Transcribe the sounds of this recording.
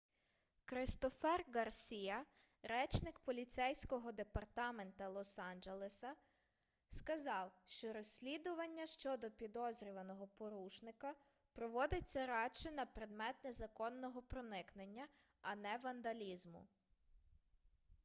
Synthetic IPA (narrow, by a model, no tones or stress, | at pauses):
kɾɪst̪ɔfɛrɡɐrsʲijɐ | ɾɛt͡ʃnɪkpɔlʲit̪sɛjsʲkɔɦɔd̪epɐrt̪ɑme̞nt̪ɐlˠɔsɑnd͡ʒelˠesɐ | skɐzɑwʃt͡ʃɔɾɔsʲːlʲid̪ʊʋɐnʲːɐʃt͡ʃɔd̪ɔpʲid̪ɔzɾʲiʋɐnɔɦɔpɔɾuʃnɪkɐ | pɾɔʋɔd̪ɪt͡sʲːɐɾɑt͡ʃɪnɐpɾed̪mɛt̪nezɐkɔnːɔɦɔpɾɔnɪknenʲːɐ | ɐnɛʋɐnd̪ɐlʲizmʊ̰